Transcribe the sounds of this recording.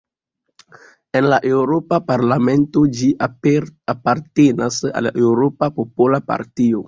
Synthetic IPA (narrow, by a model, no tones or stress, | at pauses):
e̞nlaʔe̞wɾo̞papaɾlame̞nto̞d͡ʒiʔapaɾtenasa̰le̞wɾo̞papo̞polapa̰ɾtio̞